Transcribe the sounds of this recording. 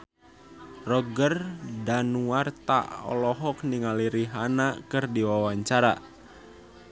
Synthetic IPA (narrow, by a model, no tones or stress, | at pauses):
rɔɡərdanuart̪a̰ʔɔ̰lɔɦɔk̚niŋaliɾiɦanakɨrdiwawaɲt͡ʃaɾa